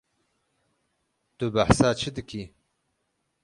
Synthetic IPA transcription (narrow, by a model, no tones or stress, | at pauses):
t̪ubaħsaːt͡ʃʰɨd̪ɨkʰiː